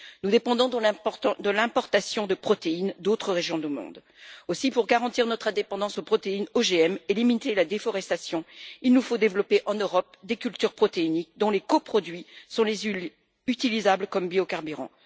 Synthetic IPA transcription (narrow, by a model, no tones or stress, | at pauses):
nud̪epɑ̃d̪ɔ̃d̪əd̪əlɛ̃pɔʁt̪asjɔ̃d̪əpχɔt̪eind̪ot̪χəʁeʒjɔ̃d̪əmɔ̰̃d̪ | osipuʁɡaʁɑ̃t̪iʁnɔt̪χɛ̃d̪epɑ̃d̪ɑ̃sopχɔt̪einoʒeɛmelimit̪elad̪efɔʁɛst̪asjɔ̃ilnufod̪evlɔpeʔɑ̃nøʁɔp̚d̪ekʲylt̪yʁpχɔt̪einik̚d̪ɔ̃lekopχɔd̪ɥisɔ̃lez | yt̪ilizabləkɔmbiokaʁbyʁɑ̰̃